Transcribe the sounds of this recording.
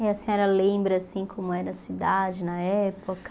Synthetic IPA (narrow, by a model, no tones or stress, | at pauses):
eɐsẽɲɔɾɐlẽmbɾɐasĩkʰõmʊɛɾɐsid̪ad͡ʒɪnɐɛpokɐ